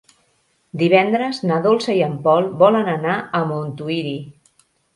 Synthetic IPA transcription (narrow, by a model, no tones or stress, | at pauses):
d̪iβɛnd̪ɾəznaðolˠsəiəmpɔlˠbɔlənənaəmunt̪uiɾi